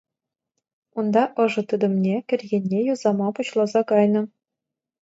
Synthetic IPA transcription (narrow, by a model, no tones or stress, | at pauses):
und̪ɑʔɤ̆ʐɤ̆t̪ɯd̪ɤ̆mnʲekʲɘ̆rʲɣʲenʲːejuzɑmɑpuɕlˠɑzɑkɑjnɤ̆